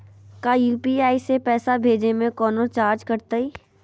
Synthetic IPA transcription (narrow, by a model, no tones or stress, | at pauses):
kajuːpiaːisepɛːsabʱeːd͡ʒemẽkɔːnot͡ʃaːɾd͡ʒkəɾt̪aiː